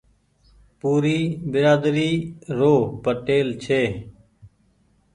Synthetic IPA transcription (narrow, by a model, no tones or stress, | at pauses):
puːɾiːbɪɾaːd̪ɾiːɾoːpəʈeːlt͡ʃʰeː